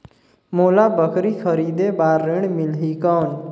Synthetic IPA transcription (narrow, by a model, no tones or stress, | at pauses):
moːlabəkɾikʰəɾiːd̪ebaːɾːeɽ̃mɪlɦikan